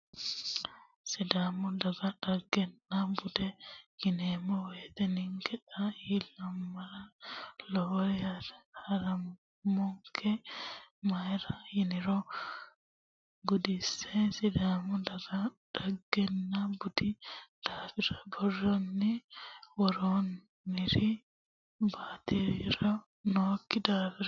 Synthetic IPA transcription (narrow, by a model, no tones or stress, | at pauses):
sɛdamudaɡaɗaɡːɛnːabudɛjinɛmɔwɛdɛniŋɡɛɗajilamːaɾalɔjaɾhaɾam | mɔŋkʰɛ | majɾajiniɾɔ | ɡʊd̪ɪsːesɪd̪aːmɔd̪ɐɡɐ | d̥ɐɡːɛnːɐbʊd̪ɪd̪̥aːfɪɾɐbɔrːɔnːɪwɔɾoːn | mɪɾi | baːt̪ɪɾɾɐ | noːkːɪd̪aːfɪɾ